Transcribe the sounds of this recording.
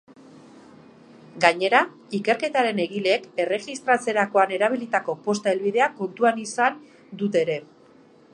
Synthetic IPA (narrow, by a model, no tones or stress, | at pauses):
ɡaɲe̞ɾa | ike̞ɾke̞t̪aɾe̞ne̞ɣile̞ːke̞re̞ɣist̪ɾat͡se̞ɾako̞ane̞ɾaβ̞ilit̪ako̞po̞st̪aelβiðe̞ako̞nt̪uanisan | d̪ut̪e̞ːɾe̞